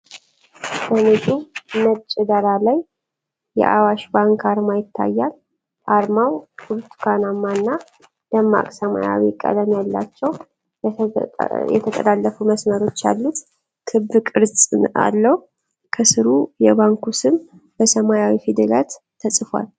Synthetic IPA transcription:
sənet͡ʃʼumət͡ʃʼɛd̪əɾalajː | ɛ̰ʔa̰waʃbaŋkʰaɾmajɪt̪ʰːa̰jːal | ʔaɾmawkuɾt̪ʰu̥kʰanamːanːa | d̪̥əmːa̰kʼsəma̰ja̰wḭkʼə̰d̪əmjalːa̰t͡ʃːɛw | jɛ̰t̪ʰət̪ʼə̰lalːəfuməsməɾo̞t͡ʃːja̰lːut̪ | kʰɨbːɨkʼɨɾsʼa̰lːəh | kʰəsɨɾujɛβaŋkusɨm | bəsəmajawifid̪ɨla̰t̪ʰːəsʼfwa̰l

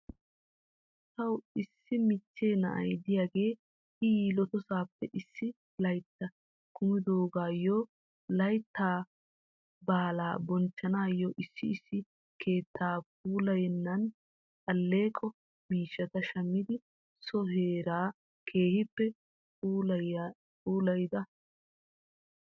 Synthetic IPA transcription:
t̪ɐwɪsːɪmɪt͡ʃːeːnɐ̰ʔɐ̰jd̪ɪjaːɡe̞ː | hɪjiːlɔt̪ɔsaːpːɛʔɪsːɪ | lɐjt̪ːɐ | kʰʊmɪd̪oːɡaːjɔ | lɐjt̪ːaː | baːlaːbɔnt͡ʃːɐnaːjːɔʔɪsːɪːsːɪ | kʰeːt̪ʰːaːp̚uːlɐjɛnːɐn | kʼɐlːe̞ːkʼɔ | miːʃːɐt̪ɐʃɐmːɪd̪ɪ | sɔɦeːɾaː | kʰe̞ːhɪpːɛ | uː | uːlɐjd̪ɐ

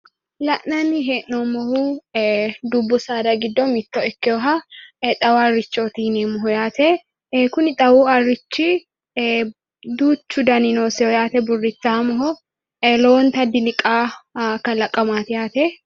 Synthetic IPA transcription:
lɐʔnɐnɪɦɛʔnomɔhu | d̪ʊbːʊsaːd̪ɐɡɪd̪ːɔmɪt̪ːoɪkːɪjɔɦɐt̪ʼɐwɐrːɪt͡ʃːoːt̪iːneːmʊɦɔjaːt̪ɛ | kʊnɪt̪ʼɐwuːɐrːɪt͡ʃːi | d̪uːt͡ʃːʊd̪ɐnɪnoːsɛɔjaːt̪ɛbʊrːɪt͡sːaːmɔɦɔ | loɔnt̪ɐd̪ɪlɪkʼaːkːɐlɐkʼːɐmaːt̪ɪjaːt̪ɛ

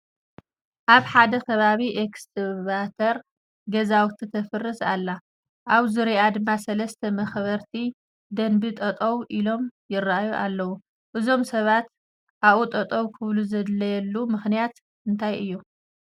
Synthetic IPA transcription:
ʔaβħad̪ɐkʰɐβaβiʔekst̪ʰɨβat̪ʰɐɾ | ɡɐzawt̪ʰit̪ʰɐfɨrːɨsalːa | ʔaβzɨɾiʔad̪ɨmːasɐlɐst̪ʰɐmɐxβɐɾt̪ʰi | d̪ɐnbit̪ʼɐt̪ʼɐwʔilo̞mjɪraʔajuʔalːɐwu | ʔɨzo̞msɐβat̪ | ʔaut̪ʼɐt̪ʼɐwkʰɨβluzɐd̪lɐjɛlːumɨxnijat̪ | ɨnt̪ʰajʔɨjːu

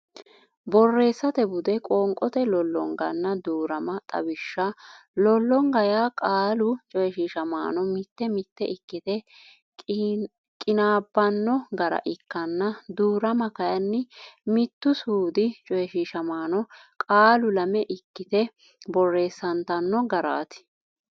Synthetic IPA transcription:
bɔrːe̞ːsːɐt̪ɛbʊd̪ɛkʼɔːŋkʼɔt̪ɛlɔlːɔ̰ŋɡɐ̰nːɐd̪uːɾɐmɐt̪ʼɐ̰bɪʃːɐlɔlːɔŋɡɐjaːkʼaːlʊt͡ʃʼɔjɛʃiːʃɐma̰ːnɔmɪt̪ːɛmɪt̪ːɛʔɪkːɪt̪ɛ | kʼɪnaːbːɐnːɔɡɐɾɐ̰ʔɪkːɐnːɐd̪uːɾɐmɐkɐjɐnːɪmɪt̪ːʊsuːd̪ɪt͡ʃʼɔjɛʃiːʃɐmaːnɔkʼaːlʊlɐmɛʔɪkːɪt̪ɛ | bɔrːe̞ːsːɐnt̪ɐnːɔɡɐɾa̰ːt̪ɪ̥

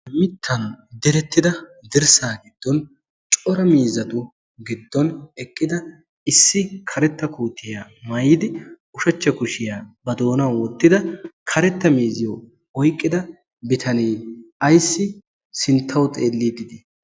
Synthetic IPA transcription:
mɪt̪ʰːɐnd̪ɛɾɛt̪ːɪd̪ɐd̪ɪɾsaːɡɪd̪̥ːɔn | t͡ʃʼɔɾɐmiːzɐt̪ʊ | ɡɪd̪ːɔnɛkʼːɪd̪ɐ | ɪsːɪkʰɐɾɛt̪ːɐkuːt̪ʰːɪjaːmɐjːd̪ɪ | ʊʃɐt͡ʃːɐkʊʃɪjaːbɐd̪o̞ːnɐwɔt̪ːɪd̪ɐkʰɐɾɛt̪ːɐmiːzɪjɔ | ɔjkʼːɪd̪ɐ | bɪt̪ʰɐniːɐjsːɪ | sɪnt̪ʰːɐwt̪ʼeːlːiːd̪ɪd̪ɪ

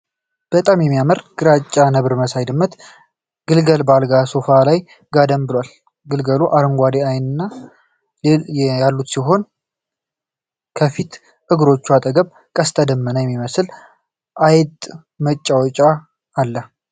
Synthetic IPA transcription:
b̥ət̪ʼamjɛmːijaməɾɡ̥ɨɾat͡ʃʼːanəβɾməsajd̪ɨmːɨt̪ | ɡɨlɡəlbalɡaso̞falaj | ɡad̪əmbɨlwal | ɡɨlɡəluʔaɾəŋɡʷad̪eajnɨnːa | jalːut̪siɦo̞n | kʰəfit̪ | ʔɨɡɾo̞t͡ʃːuat̪ʼəɡəβ | kʼəst̪ʼəd̪əmːənəjɛmːiməsɨl | ʔajt̪ʼ | mət͡ʃʼːawɔt͡ʃʼaː | lːə

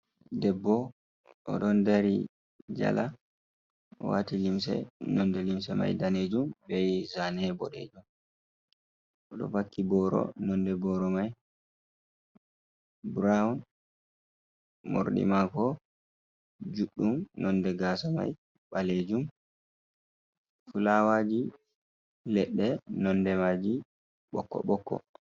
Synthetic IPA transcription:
dɛbːɔ | ɔ̰ɗɔndaɾi | d͡ʒa̰la | wa̰ːtilimsɛ̰nɔndɛlimsɛma̰jdaneːd͡ʒumbɛjzanɛbɔɗḛd͡ʒum | ʔɔɗɔ̰bakːibɔɾɔ̰nɔndɛbɔɾɔmaj | bɾaun | mo̰ɾɗḭmakɔ | d͡ʒuɗːumnɔndɛɡaːsama̰j | ɓaled͡ʒum | fulawad͡ʒi | lɛɗːɛnɔndɛmad͡ʒi | ɓɔkːɔ̰ɓɔkːɔ̰

